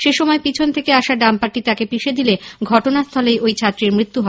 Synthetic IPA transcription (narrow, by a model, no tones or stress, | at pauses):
ʃeʃɔmɔepit͡ɕʰont̪ʰekeaʃaɾɖampaɾʈːit̪akepiʃed̪ileɡʱɔʈonast̪ʰɔlejojt͡ɕʰat̪ːɾiɾmɾit̪ːuɦɔ